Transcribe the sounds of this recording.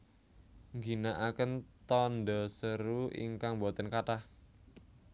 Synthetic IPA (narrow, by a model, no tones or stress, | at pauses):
ŋɡinaʔakənt̪ɔndɔsəɾuḭŋkaŋbɔt̪ənkaʈah